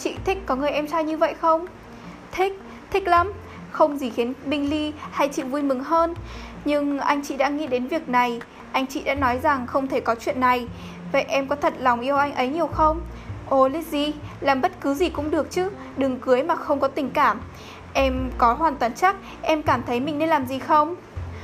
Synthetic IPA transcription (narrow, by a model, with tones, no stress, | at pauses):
t͡ɕḭ˧˨t̪ʰi˦˥k̚kɔ˨˦ŋɨ˨˩əjʔɛ˧msaː˧jɲɨ˧və̰˧˨jxə˧wŋ͡m | t̪ʰi˦˥k̚ | t̪ʰï˦˥k̟̚la˨˦m | xə˧wŋ͡mzi˧˩xi˨˦ənɓï˧ŋ̟li˧ha˧jt͡ɕḭ˧˨vu˧jmɨ˨˩ŋɦəː˧n | ɲɨ˧ŋʔa˧jŋ̟t͡ɕḭ˧˨ɗa̰ː˧˥ŋḭ˧˥ɗe˨˦nvi˨˩ək̚na˨˩j | ʔa˧jŋ̟t͡ɕḭ˧˨ɗa̰ː˧˥nɔ˨˦jza˨˩ŋxə˧wŋ͡mt̪ʰe˧˩kɔ˨˦t͡ɕwḭ˧˨ənːa˨˩j | və̰˧˨jʔɛ˧mkɔ˨˦t̪ʰə˨˩t̚la˨˩wŋ͡mʔi˧əwʔa˧jŋ̟ʔə˨˦jɲi˨˩əwxə˧wŋ͡m | ʔo˧˩li˦˥t̚zi˧˩laː˨˩mɓə˦˥t̚kɨ˨˦zi˨˩kʊ̰˧˥ŋ͡mɗɨ˨˩ək̚t͡ɕɨ˨˦ | ɗɨ˨˩ŋkɨ˨˦əjmaː˨˩xə˧wŋ͡mkɔ˨˦t̪ï˧˩ŋ̟kaː˧˩m | ʔɛ˧mkɔ˨˦ɦwaː˨˩nt̪waː˨˩nt͡ɕa˦˥k̚ | ʔɛ˧mkaː˧˩mt̪ʰə˨˦jmï˨˩ŋ̟ne˧nlaː˨˩mzi˨˩xə˧wŋ͡m